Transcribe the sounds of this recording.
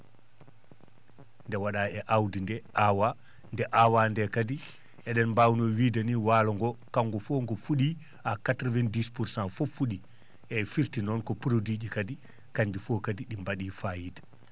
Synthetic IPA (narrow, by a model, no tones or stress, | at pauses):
ndɛwaɗaɛʔawdindɛʔawa | ndɛʔawandɛkadi | ɛɗɛnmbawnɔwiːdaniwaːlɔŋɡɔkaŋɡɔfoːŋɡɔfuɗi | akatɾɔvɛndispuɾsanfofuɗi | ʔɛfiɾtinɔnkɔpɾodiːd͡ʒikadi | kaɲdifokadiɗimbaɗifajitḁ